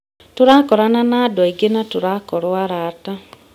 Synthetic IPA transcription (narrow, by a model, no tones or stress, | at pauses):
toɾakɔɾananadwaiɡenatoɾakɔɾwaɾata